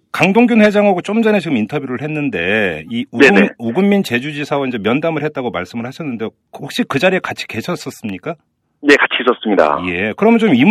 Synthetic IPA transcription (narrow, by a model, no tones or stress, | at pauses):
kaŋdoŋɡjunɸwe̞d͡ʑaŋɦaɡot͡ɕ͈omd͡ʑʌnet͡ɕiɡɯmintʰʌbjuɾɯɭhe̞nːɯnde̞̰iuneneuɡɯumːint͡ɕe̞d͡ʑud͡ʑisʰawoind͡ʑe̞mjʌndamɯɭhet̚t͈aɡomaɭs͈ɯmɯɭhaɕʰʌnːɯndeo | khok̚ɕ͈ikɯd͡ʑaɾiekat͡ɕʰi̥ke̞ɕʰʌs͈ʌs͈ɯmɲik͈a | ne̞kat͡ɕʰiis͈ʌs͈ɯmɲida̰je̞kɯɾʌmʌnt͡ɕomim